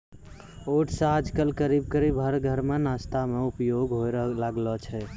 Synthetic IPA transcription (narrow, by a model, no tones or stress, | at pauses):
oʈsaːd͡ʒkəlkəɾibkəɾibɦəɾɡʱəɾmenast̪ʰameupjoɡɦoɾlaɡlɔt͡ʃʰɛ